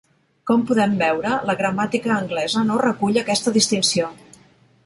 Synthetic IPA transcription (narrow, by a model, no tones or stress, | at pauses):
kɔmpuðɛmbɛwɾələɣɾəmat̪ikəːŋɡlɛzənorəkuʎəkɛst̪əðist̪insio